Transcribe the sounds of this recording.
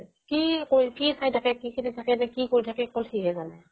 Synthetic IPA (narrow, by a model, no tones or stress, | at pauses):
kikoɹipʰisajtʰakɛkikʰinitʰakɛdɛkikoɹitʰakɛkːɔltʰiɡɛzanɛ